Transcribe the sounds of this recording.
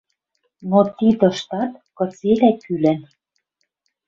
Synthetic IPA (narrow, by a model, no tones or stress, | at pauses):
not̪id̪ɤ̆ʃt̪ɑt̪kɤ̆t͡selækylɘ̆n